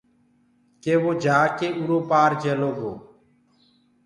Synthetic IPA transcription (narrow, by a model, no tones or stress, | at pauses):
keːʋoːd͡ʒaːkeːʔuɾoːpaːɾd͡ʒeːloːɡʱoː